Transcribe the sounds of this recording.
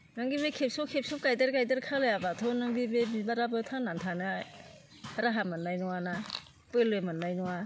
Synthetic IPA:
naŋɡibekʰep̚sɔkʰep̚sɔp̚kajdaɾkajdaɾkʰalajabatʰɔnɯŋbibemibaɾabɯtʰanantʰana | haɾaɦamɯnːajnɔwana | pɯlojmɯnːajnɔwa

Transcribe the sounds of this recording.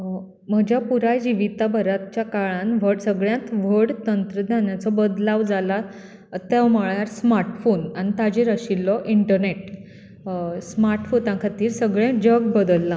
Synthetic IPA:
məd͡ʑʱjapuɾajd͡ʑiʋit̪abʱəɾat̪t͡ɕjakaɭãnʋ̤əɽsəɡɭjãt̪ʋ̤əɽt̪ənt̪ɾəd̪ʱjaɳjat͡sɔbəd̪laʋd͡zala | t̪aməɭjaɾsmaɾʈfonanit̪ad͡ʑiɾəɕilːɔʔiɳʈəɾneʈ | smaɾʈfot̪ãkʰat̪iːɾsəɡɭjẽd͡ʑəɡbəd̪əlːã

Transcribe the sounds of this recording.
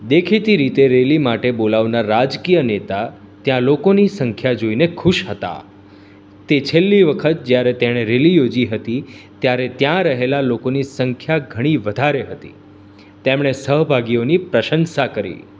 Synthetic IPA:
d̪ekʰit̪iɾit̪eɾelimaʈebolaʋnaɾːad͡ʒkijənet̪a | t̪jãlokonisəŋkʰjad͡ʒoinekʰuʃɦət̪a̰ | t̪et͡ʃʰelːiʋəkʰət̪̚d͡ʒjaɾet̪eɽ̃eɾelijod͡ʒiɦət̪it̪jaɾet̪jãɾəɦelalokonisəŋkʰjaɡʱəɽ̃iʋəd̪ʱaɾeɦət̪ḭ | t̪emɽ̃esəɦbʱaɡionipɾəʃənʃakəɾḭ

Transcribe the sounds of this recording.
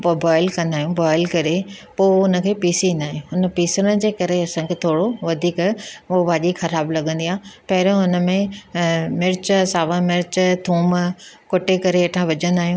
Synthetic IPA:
pobaːɪlkɐ̃nd̪aːɦijũbɔːɪlkɐɾepoːʊnə̆kʰeːpiːsĩːnd̪aːɦijũʊnə̆piːsəɾəɽ̃d͡ʑeːkɐɾeɐsãkʰeːt̪ʰoːɽoʋɐd̪ʱiːkoʋaːʄixɐɾaːblɐɠə̃nd̪iaːpɐɦɪɾə̃ʊnə̆mẽ | mɪɾt͡ɕsaːʋãmɪɾt͡ɕt̪ʰũːmkoʈekɐɾeːʈʰãʋɐd͡ʑə̃nd̪aːɦijũː

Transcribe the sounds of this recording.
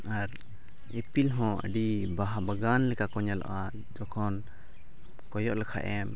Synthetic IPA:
aɾ | epilɦɔ̃ə̰ɖibaɦabaɡanlɛkakɔɲalɔ̰ʔa | d͡ʒɔkʰɔn | kɔjɔʔlɛkʰa̰ʔɛm

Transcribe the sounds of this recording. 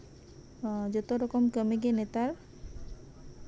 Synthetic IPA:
d͡ʒɔt̪oɾɔkomkəmeɡenet̪aɾ

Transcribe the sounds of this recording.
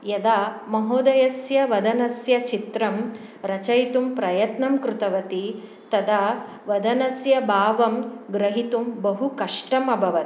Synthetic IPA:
jɐd̪aː | mɐɦoːd̪ɐjɐsjɐʋɐd̪ɐnɐsjɐt͡ʃit̪ɾɐm | ɾɐt͡ʃɐjt̪umpɾɐjɐt̪nɐmkɾut̪ɐʋɐt̪i | t̪ɐd̪a | ʋɐd̪ɐnɐsjɐbʱaːʋɐmɡɾɐɦit̪umbɐɦukɐʂʈɐmɐbʱɐʋɐt̪i̥

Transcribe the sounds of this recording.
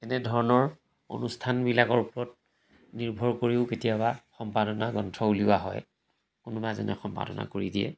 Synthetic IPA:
ɛnɛdʱɔɹɔnɔɹ | o̰nustʰanbilakɔɹpɔɔt̚ | niɹbʱɔɹkoɹiʊketijabaxɔmpadɔnaɡɔntʰɔuliwaɦɔ̰j | kʊnʊbazɔ̰nɛxɔmpa̰dɔ̰na̰koɹidiɛ̰

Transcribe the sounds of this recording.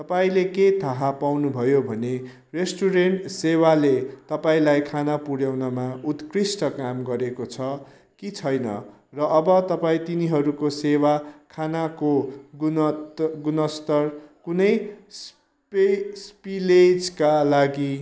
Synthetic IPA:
t̪ʌpaĩleket̪ʰaɦapawnubʱʌjobʱʌne | resʈuɾeɳʈsewalet̪ʌpaĩlajkʰanapuɽjawnʌmaut̪krisʈʌkamɡʌɾekot͡sʰʌ | kit͡sʰʌjnʌ̰ | rʌːbʌt̪ʌpaĩt̪iniɦʌɾukosewakʰanakoɡu | ɡunʌst̪ʌrkunʌjs | pespiled͡zkalaɡi

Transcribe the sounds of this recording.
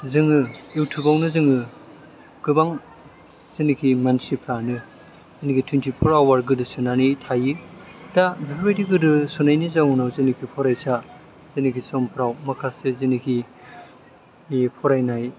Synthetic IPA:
zɯŋɯiwtʰɯbawnɯzɯŋɯ | ɡ̥ɯbaŋ | zinikʰimansipʰɾanɯ | zinikʰitʰwintʰipʰuɾawaɾɡɯdɯsɯnanitʰajɯdabiɾwajdiɡɯdɯsunajnizawunawzinikʰipʰɔɾajsa | z̥ɯnikʰisɔmpʰɾawmakʰasezinikʰi | epʰɔɾajnaj

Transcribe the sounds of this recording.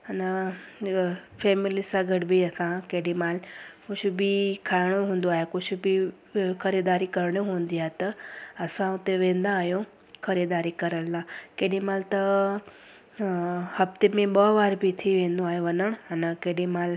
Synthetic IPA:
ɦənə | fɛːmɪlisãɡʱɐʈbiɐsãkeːɗĩmaːlkʊd͡ʑʰʱʊbikʰaːɪɽ̃oɦũːn̆d̪oaːɦekʊd͡ʑʰʱʊ̆bi | xɐɾiːd̪aːɾikɐɾɽ̃oɦũːn̆d̪iaːɦet̪ɐɐsãʊt̪eʋẽːnd̪aːɦijõ | xɐɾiːd̪aːɾikɐɾəɽ̃laːkeːɗĩmaːlt̪ɐ | hɐft̪emẽɓɐʋaːɾbit̪ʰiʋẽːnd̪oaːɦijõʋɐnəɽ̃ənəkeːɗĩmaːl

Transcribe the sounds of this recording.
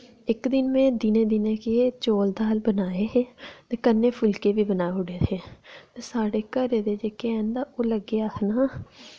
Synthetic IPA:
ɪkd̪ɪnmẽːd̪ɪnẽːd̪ɪneːkeːt͡ʃoːld̪aːəlbənaːeːeːt̪eːkənːeːpʰʊlkeːbiːbənaːɦʊɽeːt̪ʰeːt̪eːsaːɽeːkəɾeːd̪eːd͡ʒeːkeɛːnd̪aːʔoːləɡeaːknaː

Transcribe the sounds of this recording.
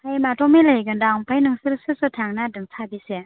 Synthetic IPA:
hajmatɔmilajɡɯndawpʰajnɯŋsɯɾsɯsɯtʰaŋnadɯŋtʰabise

